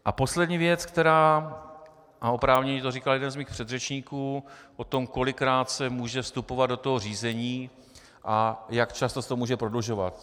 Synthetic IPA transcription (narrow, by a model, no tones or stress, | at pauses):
ʔapo̞slɛdɲiːvjɛt͡skt̪ɛɾaː | ʔaʔo̞pɾaːvɲɛɲit̪oriːkaljɛdɛnzmiːxpr̥ɛd̪rɛt͡ʃɲiːkuːʔo̞t̪o̞mko̞lɪkːɾaːt̪sɛmuːʒɛfst̪upo̞vad̪̚do̞t̪oɦoriːzɛɲiː | ʔajakt͡ʃast̪ost̪omuːʒɛpɾo̞dluʒovat̪